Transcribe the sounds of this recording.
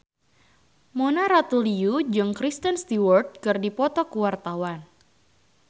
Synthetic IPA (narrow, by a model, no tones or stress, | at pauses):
monaɾat̪uliud͡ʒɨŋkɾist̪ənst̪iwɔrd̪̚kɨrdipɔt̪ɔkuwart̪awan